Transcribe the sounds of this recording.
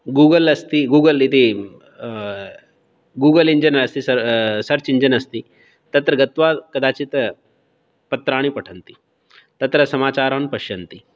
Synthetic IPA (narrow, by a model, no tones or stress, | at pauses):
ɡuːɡəlɐst̪iɡuːɡəlit̪i | ɡuːɡəliɲd͡ʒənɾɐst̪isɐsɐɾt͡ɕiɲd͡ʒənɐst̪iː | t̪ɐt̪ɾɐɡɐt̪ʋakɐd̪aːt͡ɕit̪ | pɐt̪ɾaːɽ̃ipɐʈʰənt̪i | t̪ɐt̪ɾəsɐmaːt͡ɕaːɾanpɐɕjɐnt̪iː